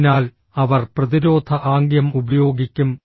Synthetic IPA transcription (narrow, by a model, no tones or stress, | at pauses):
naːl | ɐʋɐrprɐðiɾo̞ːd̪ʱʰɐʔaːŋɡjɐmubɐjoːɡikʲːum